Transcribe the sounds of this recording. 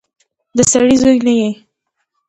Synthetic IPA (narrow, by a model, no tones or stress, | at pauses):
d̪əsaɽizojnaje